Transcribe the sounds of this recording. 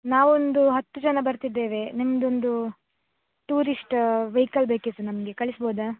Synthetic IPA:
naːʋond̪uɦɐt̪ːud͡ʒɐnɐbɐɾt̪id̪ːeːʋe̞nimɐd̪ond̪u | ʈuːɾisʈʋɐjkɐɭbeːkisunɐmɐɡe̞kɐɭisboːd̪ɐ

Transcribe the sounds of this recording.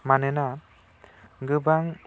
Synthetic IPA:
manɯna | ɡɯbaŋ

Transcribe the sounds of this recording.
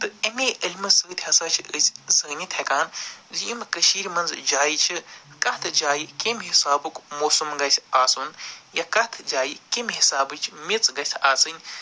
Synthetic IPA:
t̪ɨɐmeːʔilʲmɨsəːt̪ʲʰɦɐsaːt͡ʃʰiəzʲzɐːnʲit̪ʰekaːnziimkɐʃiːɾʲmɐnzd͡ʒaːjit͡ʃʰikɐt̪ʰɨd͡ʒaːjikimɦisaːbukmoːsumɡɐsʲaːsunjɐkɐt̪ʰd͡ʒaːjikimɦisaːbɨt͡ʃʰmit͡sɡɐsʲʰaːsɨnʲ

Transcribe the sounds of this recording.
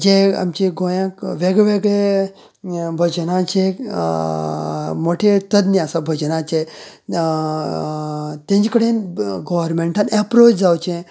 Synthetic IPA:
d͡ʒea̰mt͡ɕeɡojãkʋeɡɭeʋeɡɭe | bʱəd͡ʒnãt͡ʃʰe | moʈʰet̪əd̪niasabʱəd͡ʒənat͡ʃʰe | t̪ẽnd͡ʒikəɽenɡoʋɾmẽɳʈãnɛpɾoːt͡ʃd͡zawt͡ʃẽ

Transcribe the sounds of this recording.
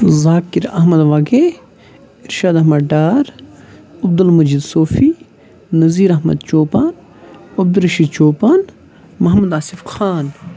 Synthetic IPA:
zaːkiɾɐ̰ɦmɐd̪ʋaːɡe | iɾʃaːd̪ɐɦmɐɖaːɾ | ɐbd̪ulmɐd͡ʒiːd̪soːfiː | nɐziːɾɐɦmɐ̰d̪t͡ʃoːpaːn | ɐb̚d̪uɾɐʃiːd̪t͡ʃoːpaːn | mɐɦmud̪aːsifxʰaːn

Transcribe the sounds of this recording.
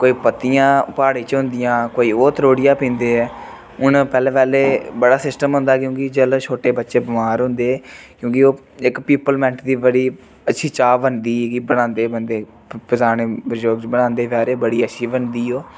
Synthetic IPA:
koːiːpət̪ijãːpaːɽiːt͡ʃɦʊ̃nd̪ɪjãːkoːiːoːt̪ɾoːɽɪjãːpĩːnd̪eːɛː | ʊnpɛːleːpɛːleːbəɽaːsɪsʈəmɦʊ̃nd̪aːkjõːkɪd͡ʒəlt͡ʃʰoːʈeːbətːʃeːbɪmaːɾɦʊ̃nd̪eːɛːkjõːkɪoː | ɪkpiːpəlmɛ̃ɳʈd̪iːbəɽiː | ətːʃʰiːt͡ʃaːbənd̪iːkɪbəɽãːnd̪eːbənd̪eː | pəzaːneːbd͡ʒoːɡt͡ʃbənãːnd̪eːʋaːɾeːbəɽiːətːʃʰiːbənd̪iːɦoː

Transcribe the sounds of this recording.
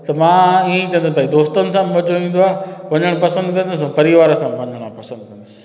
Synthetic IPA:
t̪ɐmãːĩːt͡ɕɐ̃ənd̪sbaːĩd̪oːst̪ənɪ̆s̬ãːmmɐd͡ʑoĩːn̆d̪oaːʋɐ̃ɲəɽ̃pɐsə̃nd̪kɐ̃nd̪ʊs̬ũːpɐɾiʋaːɾəsãːmʋɐ̃ɲəɽ̃ãːpɐsə̃nd̪̚kɐ̃nd̪ʊsɪ̥

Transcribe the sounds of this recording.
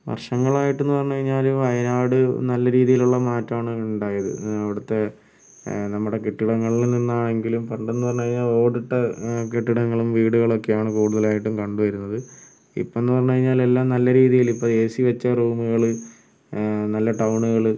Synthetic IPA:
ʋɐ̰rʂɐŋːɐɭaːjiʈːe̞nːɨpɐrɐɲːukɐɻiɲːaːlɐjðɐnaːɽɨnɐlːɐɾiːðijiluɭːɐmaːtːaːɳɨuɳɖaːjɐðɨ̰ɐʋiɽut̪ːe̞ | nɐmːuɽe̞keʈːiɽɐŋːɐɭilninːaːɳe̞ŋɡilumpɐɳɖenːupɐrɐɲːukɐɻiɲːaːlo̞ːɽiʈːɐkeʈːiɽɐŋːɐɭumʋiːɽuɣɐɭo̞kːe̞jaːɳɨkuːɽuðɐlaːjiʈːumkɐɳɖuʋɐɾunːɐðɨ | ḭpːoenːupɐrɐɲːukɐɻiɲːaːle̞lːaːmnɐlːɐɾiːðijilipːoːeːsiʋɐt͡ɕːɐruːmuɣɐɭɨ | nɐlːɐʈɐwɳuɣɐɭ

